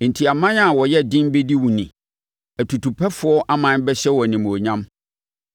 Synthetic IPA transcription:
n̩˨tʰi˨a˨mã˦n˦a˦˨wɔ˨jɛ˦dɪ̃˦m˦be˦di˦wũ˨nĩ˨ | æ˨tʰu˨tʰu˨pʰɛ˦fʊ˦ɔ˦ʔa˦mã˨˦n˦bɛ˦ɕɛ˦wɔ˨nĩ˨m˨o˨ɲã˦m

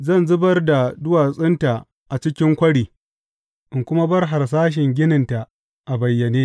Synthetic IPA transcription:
zɐ˦˨nzʊ˦bɐ˦rda˨dʊ˦waː˨sʼɪ˦nta˨ | ʔa˨t͡ʃɪ˦kʲɪ˦ŋkʷɐ˦ɽiː˨ | ʔɪ˨ŋkʷʊ˦ma˦bɐ˦rɦa˨rs̬aː˦ʃ̬ɪ˨ŋɡʲɪ˦nɪ˨nta˨ | ʔa˨bɐ˨jːɐ˨neː˦

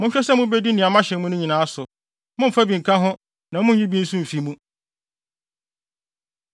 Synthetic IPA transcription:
mʊ̃˦ɲ̩˦ɕᶣɛ˦sɛ˦mʊ̃˦be˦di˦nĩ˨a˨˦mã˦ɕɛ̃˨mũ˦nʊ̃˦ɲĩ˨nãː˨˦a˦sʊ˨ | mʊ̃˦m̩˨fa˦bĩ˨ŋ̩˨kʰã˦ɦʊ̃˦ | nã˨mʊ̃˦˨i˦bi˦n̩˦sũ˦m̩˨fi˨˦mũ˦

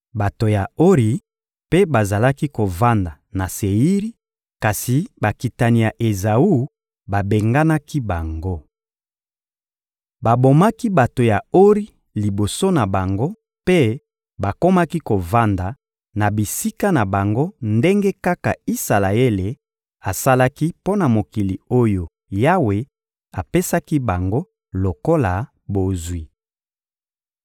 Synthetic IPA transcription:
ba˨to˨ja˨o˦ʁi˨ | pe˦ba˨za˨la˦ki˦ko˨va˦nda˨na˨se˨i˦ʁi˦ | ka˨si˨ba˨ki˨ta˨ni˨ja˨ʔe˨za˨u˦ | ba˨be˨ŋɡa˦na˦ki˦ba˨ŋɡo˦ | ba˨bo˨ma˦ki˦ba˨to˨ja˨o˦ʁi˦ | li˨bo˨so˦na˨ba˨ŋɡo˦ | pe˦ | ba˨ko˦ma˦ki˦ko˨va˦nda˨ | na˨bi˨si˦ka˦na˨ba˨ŋɡo˦nde˦ŋɡe˦ka˦ka˨i˦sa˨la˨e˦le˨ | a˨sa˦la˦ki˦po˦na˨mo˨ki˨li˨o˦jo˨ | ja˦we˨ | a˨pe˦sa˦ki˦ba˨ŋɡo˦ | lo˨ko˦la˨ | bo˨zwi˨

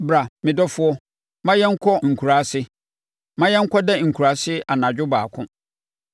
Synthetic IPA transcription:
bɾa˨mɪ̃˨dɔ˦fʊ˦ɔ˦ | mã˦jɛ˦ŋ̩˦kʰɔ˦ŋ̩˨kʰu˨ɾa˨sɪ˦ | mã˦jɛ˦ŋ̩˦kʰɔ˦dɛ˦ŋ̩˨kʰu˨ɾa˨˦sɪ˦ʔa˨nã˨d͡ʑᶣʊ˦baː˨kʰʊ̃˦

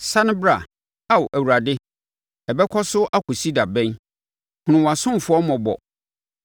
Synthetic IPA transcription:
sã˦nʊ̃˦bɾa˨ | a˨wʔæ˨wu˨ɾa˨dɪ˦ | ɛ˨bɛ˦kʰɔ˦sʊ˦ʔa˦kʰʊ˨si˦da˨bɛ̃˦n | hʊ̃˨nʊ̃˨wa˨sʊ̃˦m˨fʊ˦ɔ˦mɔ̃˨bɔ̰˨

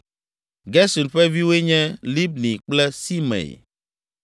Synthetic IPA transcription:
ɡɛ˦su˨nɸɛ˦vi˦we˦ɲɛ̃˦li˦bnĩ˨k͡plɛ˦si˦mɛ̰̃˨ḛ˨

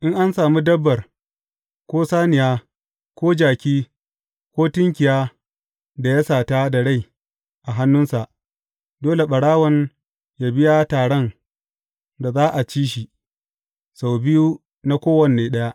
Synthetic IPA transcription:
ʔɪ˦ŋʔa˦nsaː˨mu˦dɐ˦bːɐ˨r | kʷoː˦saː˦nɪ˨jaː˦ | kʷoː˦d͡ʒaː˨kʲiː˦ | kʷoː˦tɪ˦ŋkʲɪ˨jaː˦ | da˨ja˦saː˨ta˦da˨ɽa˦j | ʔa˨ɦa˦nːʊ˦nsa˨ʔ | doː˦le˨ɓɐ˨ɽaː˦wɔ˦n | jaː˨bɪ˦ja˦taː˨ɽɔ˦n | da˨zaː˦ʔa˨t͡ʃiː˦ʃi˨ | sa˨wbɪ˦ju˦ | na˦kʷoː˦wɐ˨nːeː˨ɗɐ˦ja˦ʔ

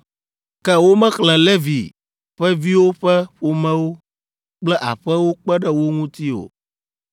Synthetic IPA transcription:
kkɛ˦wo˦mɛ̃˦xlɛ̃˨le˦vi˨ | ɸɛ˦vi˦wo˦ɸɛ˦ɸo˨mɛ̃˦wo˦ | k͡plɛ˦ʔa̰˨ɸɛ˦wo˦k͡pɛ˦ɖɛ˦wo˦ŋũ˦t̪i˦o̰˨

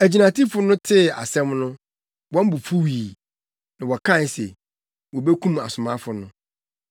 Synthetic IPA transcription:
æ˨d͡ʑi˨nã˨tʰi˦fʊ˦nʊ̃˦tʰɪ˦˨a̰˨sɛ̃˦mnʊ̃˦ | wɔ̃˦m̩˦bu˨fu˦wiː˨ | nã˨wɔ˨kʰã˦˨n˨˦sḛ˨ | wɔ˨be˦kʰũ˦ma̰˨sʊ˨mã˦fʊ˨nʊ̃˦

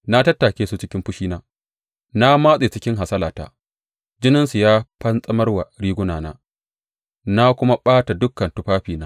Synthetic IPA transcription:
na˦tɐ˦tːaː˨kʲeː˦su˦t͡ʃɪ˦kʲɪ˦mɸʊ˦ʃiː˦naː˦ | na˦maː˦sʼeː˨t͡ʃɪ˦kʲɪ˦ŋɦa˨sɐ˦laː˨ta̰ː˦ | d͡ʒɪ˦nɪ˦nsu˨jaː˦ɸɐ˦nsʼɐ˦mɐ˦rwa˨ɽiː˦ɡʷʊ˦naː˨na̰ː˦ | na˦kʷʊ˦ma˦ɓaː˦ta˨dʊ˦kːɐ˨ntʊ˦ɸaː˦ɸiː˨naː˦

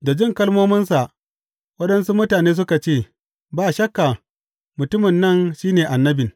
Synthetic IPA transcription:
da˨d͡ʒɪ˦ŋkɐ˦lmoː˦mɪ˦nsa˨ʔ | wɐ˦ɗɐ˦nsu˦mʊ˦taː˨neː˦s̬ʊ˦ka˨t͡ʃeː˦˨ | baː˦ʃɐ˦kːa˨ | mʊ˨tʊ˦mɪ˨nːɐ˦˨nʃiː˦neː˨ʔa˨nːɐ˦bɪ˨

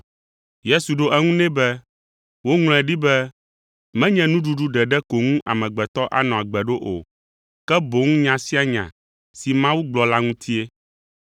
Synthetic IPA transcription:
je˦su˨ɖo˦ʔɛ˦ŋũ˦nɛ̃˦bɛ˦ | wo˦ŋl̃ɛ̃˨ɖi˦bɛ˦ | mɛ̃˦ɲɛ̃˨nũ˦ɖu˦ɖu˦ɖɛ˨ɖɛ˦ko˨ŋũ˦ʔa˨mɛ̃˨ɡ͡bɛ˨t̪ɔ˦ʔa̰˨nɔ̃˨a˨ɡ͡bɛ˨ɖo˦ʔo̰˨ | kɛ˦bo˨ŋũ˦ɲã˨si˦a˦ɲã̰˨ | si˨mã˦wu˦ɡ͡blɔ˨la˦ŋũ˦t̪ʰi˦e˦

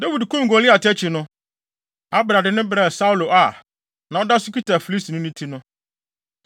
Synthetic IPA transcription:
da˦wi˨dkʰʊ̃˦ŋ̩˨ɡɔ˨lɪ˦a˨tʰɛ˦t͡ɕʰɪ˨nʊ̃˦ | a˦bɾa˨dɪ˨nɪ̃˦bɾɛ˨sa˦u˦lo˨ʔa˨ | nã˨ɔ˦da˦sʊ˦ki˦tʰa˨fi˨li˦si˨nʊ̃˦nĩ˦tʰi˦nʊ̃˦

